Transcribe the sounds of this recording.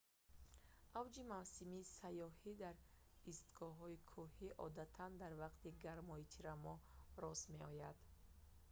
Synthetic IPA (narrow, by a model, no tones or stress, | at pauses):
ʔavd͡ʒimavsimiːsajɔhid̪aɾ | ist̪ɡɔɦɔikʰuhiʔɔ̰d̪at̪ʰand̪aɾvaqt̪iɡaɾmɔit̪ʰiɾamɔɾɔsme̞ɔjad̪